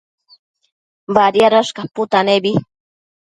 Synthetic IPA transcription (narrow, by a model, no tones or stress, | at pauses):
baɾjaɾaʃkapʊt̪anebi